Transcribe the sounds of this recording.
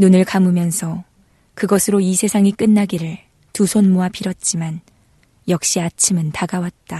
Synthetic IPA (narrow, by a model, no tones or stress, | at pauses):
nunɯɭkamumjʌnsʰʌ | kɯɡʌsʰɯɾoisʰe̞sʰaŋik͈ɯnːaɡiɾɯɭ | tusʰonmoapʰiɾʌt̚t͡ɕ͈iman | jʌk̚ɕ͈iat͡ɕʰimɯntaɡawat̚t͈a